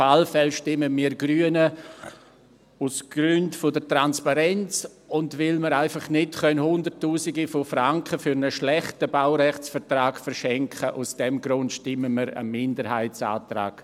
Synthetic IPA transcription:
falfɛlʃtɪməmiːɾɡɾyənə | usɡ̥ɾʏntfodətɾanspaɾɛnt͡s | ʊndvɪlməɾaɪfɑχnɪtχœnhʊndəɾtːuːsiɡifofɾaŋkχəfʏɾnəʃlɛχtəbaʊɾɛχt͡sfəɾtɾaːɡfəɾʃɛŋkχəʔusd̥ɛmɡɾʊntʃtɪməməɾə̰mɪndəɾhaɪt͡sa̰ːtɾa̰ːɡ̥

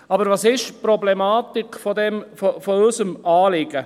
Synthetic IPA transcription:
ɑbəɾvɑːsɪʃpɾɔblɛmɑːt̪ikfɔd̪ɛmfɔfɔøsəmɑːlɪɡ̥ə

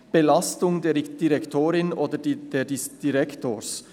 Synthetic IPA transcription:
b̥elɑstʊŋdeːd̥iʁɛktʰoːɾɪnʔoːdəd̥eːdisd̥iʁɛktʰoːs

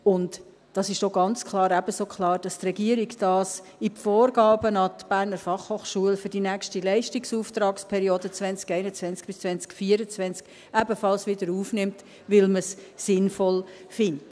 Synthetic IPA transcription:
ʊnt | d̥ɑsɪʃdoɡ̥ɑnt͡skʰlˠɑːɾæb̥əsoːkʰlɑːɾd̥ɑstrɛɡiəɾiɡd̥ɑːs | ipfoːɾɡɑːbənɑtb̥æːɾnəɾfɑχhoːχʃuəlfʏɾd̥inækʃtilɛɪʃtiksuːft̪ɾɑːkspʰɛɾioːdət͡svɛnt͡skɛɪnət͡sʋɛnt͡sk̚b̥ɪst͡svɛnt͡skfiəɾət͡sʋɛnt͡sk | æbəfɑlsʋɪdəɾuːfnɪmt | ʋɪlməsːɪnfɔlfɪnt

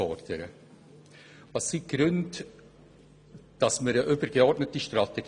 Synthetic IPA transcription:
ɔɾd̥əɾə | vɑsːiɡ̥ɾʉnd | d̥ɑsməɾəʔʏbəɾɡ̥eɔɾtnətiʃtɾɑteɡ

